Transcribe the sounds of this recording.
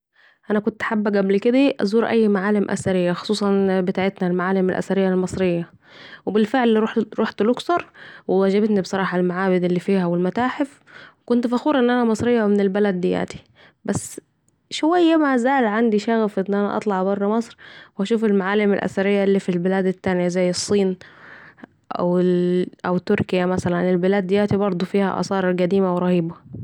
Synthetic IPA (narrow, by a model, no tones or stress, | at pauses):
ʔænækʊnt̪ħabːæɡæblkɪd̪æʔæ̰zˤuːɾʔæjːmaʕaːlɪmʔæ̰sæɾɪjːæxo̥sˤuːsˤɑnbɪt̪aːʕet̪nælmaʕaːlemælʔæ̰sæɾejːælmɑsˤɾejːæ | webɪlfeʕlːiɾuħɾoːħt̪lʊksɑɾˤwewæd͡ʒæbet̪nibesˤɑɾˤɑːħɑlmaʕaːwɪd̪elːiːfiːhæwɪlmæt̪aːħef | wekʊnt̪fæxuːɾʔenːʔænæmɑsˤɾejːɑwmɪnɪlbælæd̪ːɪjæ̰ːt̪i̥ | bæsː | ʃʊwæjːamazaːlʕand̪iʃæɣæfʔɪnːʔænæ̰ʔɑ̰t̪ˤlɑʕbɑrˤːɑmɑsˤɾwæʃuːfɪlmaʕaːlːɪmɪ̰lʔæ̰sæɾɪjːalːiːfilbɪlæːd̪ɪt̪ːænjazæjːɨsˤːiːn | ʔæ̰wʔæwt̪ːʊɾkɪjamæsælænɪlbɪlaːd̪ːɪjæːt̪ibɑɾˤd̪ˤufiːhæ̰ʔɑ̰sˤɑːɾɪɾɡæd̪iːmawɾˤɑhiːba